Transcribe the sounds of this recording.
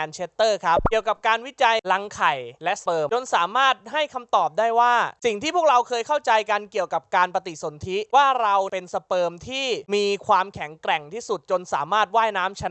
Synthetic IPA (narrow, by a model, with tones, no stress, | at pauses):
ɛː˧nt͡ɕʰeː˦˥t̪ːɤː˥˩kʰa˦˥p̚i˨˩əwka˨˩p̚kaː˧nwi˦˥t͡ɕa˧jla˧˥ŋkʰa˨˩jlɛ˦˥ʔspɤː˧mt͡ɕo˧nsaː˩˦maː˥˩t̪̚ɦa˥˩jkʰa˧mt̪ɔː˨˩p̚daː˥˩jwaː˥˩si˨˩ŋt̪ʰiː˥˩pʰu˥˩k̚ɾa˧wkʰɤː˧jkʰa˥˩wt͡ɕa˧jka˧nki˨˩əwka˨˩p̚kaː˧npa˧t̪i˨˩so˩˦nt̪ʰi˦˥waː˥˩ɾa˧wpe˧nsa˧pɤː˧mt̪ʰiː˥˩miː˧kʰwaː˧mkʰɛ˩˦ŋkɾɛ˨˩ŋt̪ʰiː˥˩su˨˩t̪̚t͡ɕo˧nsaː˩˦maː˥˩t̪̚waː˥˩jnaː˦˥mt͡ɕʰa˧˦